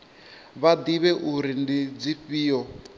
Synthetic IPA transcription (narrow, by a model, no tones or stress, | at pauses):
βad̪iβɛʔuɾindid͡ziɸiːɔ